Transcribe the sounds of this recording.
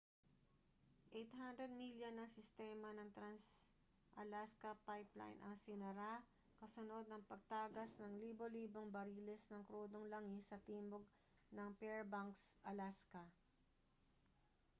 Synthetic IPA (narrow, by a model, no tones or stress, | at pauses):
ʔejt̪hand̪ɾɛd̪̚miljonːɐŋsɪst̪ɛːmɐnɐŋt̪ɾans | ʔɐlaskɐpajpla̰jnʔɐŋsɪnɐɾa | kɐsono̞d̪̚nɐŋpɐɡ̚t̪aːɡɐsnɐŋliːboliːbo̞ŋbɐɾiːlɛsnɐŋkɾuːd̪oŋlɐŋisɐt̪iːmboɡ̚ | nɐŋpɛɹbaŋksʔɐlaskɐ